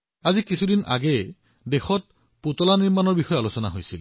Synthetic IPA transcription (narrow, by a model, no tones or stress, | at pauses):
azikisʰudinʔa̰ɡɛ | dexɔt̚ | potɔlaniɹmanɔɹbixɔjɔalosɔnaɦojsil